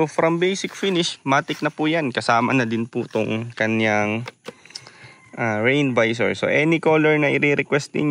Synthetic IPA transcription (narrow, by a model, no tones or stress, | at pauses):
ofɾɐmbejsɪk̚finɪʃmaːt̪ɪk̚nɐpʊjankɐsaːmɐnɐd̪ɪnpʊt̪ʊŋkɐnjaŋ | ʔaɹɛjnvajs̬ɛ̰ɹso̰ʔɛːnɪkoːlɛɹnɐʔɪɾiɾɛkwɛst̪̚ɪ̰n